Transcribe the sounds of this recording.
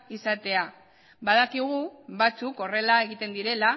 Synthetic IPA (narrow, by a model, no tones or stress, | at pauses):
isat̪e̞a | baðakiɣ̞uβat͡suko̞re̞lae̞ɣ̞it̪e̞nd̪iɾe̞la